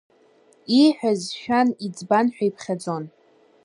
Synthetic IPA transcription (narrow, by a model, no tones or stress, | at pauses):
iħʷᶣazʃᶣanid͡zbanħᶣaipʰχʲad͡zo̞n